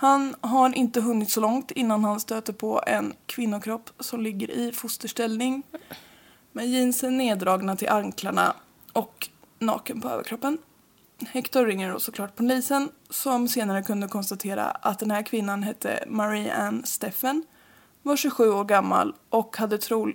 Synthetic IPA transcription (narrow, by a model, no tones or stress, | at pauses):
hanɦaɾɪnt̪əɦɵnːɪt̪sɔlɔŋt̪ɪnːanhanst̪øːt̪əpʰɔʔɛ̰nkʰvɪnːʊkʰɾɔpːsɔmlɪɡːə̰ɾʔɪfʊst̪əʂʈɛlnɪŋ | mɛnjiːnsɛjneːd̪ɾɑːɡnat̪ʰɪlʔaŋkʰlaɳa̰ | ʔɔk | nɑ̰ːkənpʰɔø̰ːvə̰kʰɾɔpːən | hɛkt̪aɾɾɪŋːəɖɔ̰sɔkʰlɑːʈ̚pʰɔnliːsənsɔmseːnaɾəkʰɵnd̪əkʰɔnst̪at̪ʰeːɾa̰ʔa̰t̪̚d̪ɛnhæːɾkʰvɪnːanɦɛt̪ʰːə̰maɾia̰nst̪ɛfən | vaʂʉɧʉ̟ːoːɾɡamːa̰lʔɔkhad̪ːət̪ʰɾuː